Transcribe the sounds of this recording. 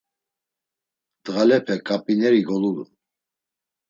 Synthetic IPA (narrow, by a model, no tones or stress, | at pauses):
d̪̥ɣalɛpʰɛkʼapʼinɛɾiɡɔluɾṵn